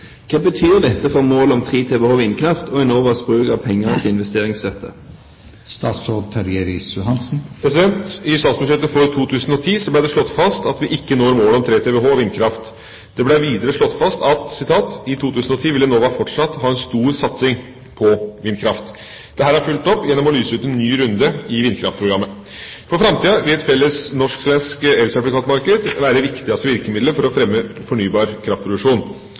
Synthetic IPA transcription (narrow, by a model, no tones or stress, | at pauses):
kʰɑːbət̪ʰyːʁd̪ɛt̪ːəfɔʁmoːlɔmt̪ʰʁeːt̪ʰɛʋɛhoːʋɪnkʰɾɑft̪ɔɛnoːʋəsbɾʉːkɑʋpʰɛŋːənət̪ʰɪɪnʋɛst̪eːʁɪŋst̪œt̪ʰːə̰ | st̪ɑːt̪sod̪t̪ʰɑɾjɛɾɪsjʊɦɑnsn̩pʰɾɛsɪd̪ɛnt̪ɪst̪ɑːt̪sbʉʂɛt̪ːəfɔɾt̪ʰuːt̪ʰʉːsən̩ɔt̪ʰiːsɔblæɪd̪ɛʂɭɔt̪ːfɑst̪ɑt̪ʋɪʔɪkːənoːɾmoːlɔmt̪ʰɾeːt̪ʰɛːʋɛɦoːʋɪnkʰɾɑft̪ | d̪̥ɛblɛʋiːd̪əɾəʂɭɔt̪ːfɑst̪ɑt̪sɪt̪ʰɑːt̪ɪt̪ʰuːt̪ʰʉːsn̩ɔt̪ʰiːʋɪlːənoːʋæːɾfɔʈʂɑt̪ːɦɑːɛnst̪uːɾsɑt̪sɪŋ | pʰɔʋɪnkʰɾɑft̪ | d̪̥ɛɦæːɾɑɾfʉlt̪ɔpːjɛnːɔmɔlyːsəʉːt̪ɛnːyːɾʉnd̪əɪʋɪnkʰɾɑ̰ft̪̚pʰɾʊɡɾɑmːə | fɔɾfɾɑmt̪ʰiːɑʋɪlɛt̪fɛlːəsnɔʂksʋɛnskɛlsɛplɪkʰɑːt̪mɑɾkəd̪ʋæːɾəʋɪkt̪ɪɡɑst̪əʋɪɾkəmɪd̪ləɾfɔɾɔfɾɛmːəfɔɳyːbɑːɾkʰɾɑft̪pʰɾʊd̪ʉkʂuːn